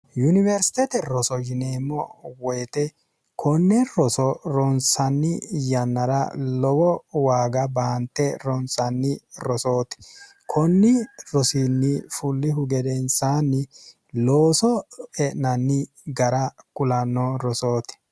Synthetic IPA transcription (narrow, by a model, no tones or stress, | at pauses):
jʊnɪvɛɾsɪ̥t̪ɛt̪ɛɾɔsɔd͡ʒɪneːmːɔwɔjt̪ɛ | kʰɔnːɪɾɔsɔɾɔnsɐnːɪjɐnːɐɾɐ̰lɔwɔwaːɡɐbaːnt̪ːɛɾɔnsɐnːɪɾɔso̞ːt̪ɛ̥ | kʰɔnːɪɾɔsinːɪfʊlːɪɦʊɡɛd̪ɛnsaːnːɪ | loːsɔɛʔnɐnːɪ | ɡɐɾɐkʊlɐnːɔɾɔso̞ːt̪ɛ̥